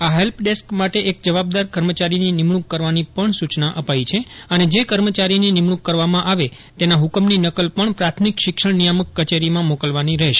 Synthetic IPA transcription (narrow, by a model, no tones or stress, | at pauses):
aɦelpʰɖeskmaʈeʔekd͡ʒəʋab̚d̪aɾkəɾmət͡ʃaɾininɪmɳ̃ukːəɾʋanipəɳsut͡ʃnaʔəpait͡ʃʰeəned͡ʒekəɾmət͡ʃaɾininɪmɽukːəɾʋamãʔaʋe | t̪enaɦukəmninəkəlpəɳpɾat̪ʰmikʃɪkʃəɳnijaməkːət͡ʃeɾimãmokəlʋaniɾəɦeʃe